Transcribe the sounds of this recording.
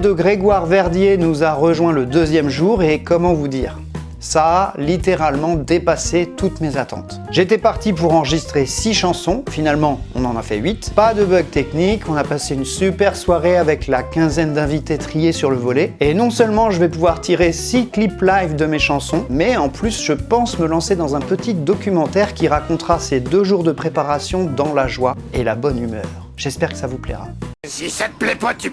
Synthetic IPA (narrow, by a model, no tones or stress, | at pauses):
d̪əɡʁeɡwaʁvɛʁd̪jenuzaʁəʒwɛ̃ləd̪øzjɛmʒuʁekɔmɑ̃vud̪ḭːʁ | saːlit̪eʁalmɑ̃d̪epaset̪ut̪mezat̪ɑ̰̃t̪ | ʒet̪ɛpaʁt̪ipuʁɑ̃ʁəʒist̪χesiʃɑ̃sɔ̃finalmɑ̃ɔ̰̃nɑ̃na̰fɛ̰ɥit̪pad̪əbœɡ̚t̪ɛknikʰɔ̃napaseynsypɛʁswaʁeavɛklakʲɛ̃zɛnd̪ɛ̃vit̪et̪χijesyʁləvɔlɛenɔ̃sœlmɑ̃ʒəvɛpuvwaʁt̪iʁesikliplajvd̪əmeʃɑ̃sɔ̃mɛɑ̃plysʒəpɑ̃sməlɑ̃sed̪ɑ̃zɛ̃pət̪id̪ɔkʲymɑ̃t̪ɛʁkʲiʁakɔ̃t̪χased̪øʒuʁd̪əpχepaʁasjɔ̃d̪ɑ̃laʒwa | elabɔnymœːʁʒ̥ɛspɛʁkə̥savuplɛ̰ʁa̰isat̪əplɛpat̪y